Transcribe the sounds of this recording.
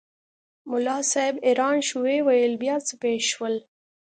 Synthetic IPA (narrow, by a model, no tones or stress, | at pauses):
mʊlɑsɑɪbeɾɑːnʃuwewajəlbjɑːt͡səpeʃwəl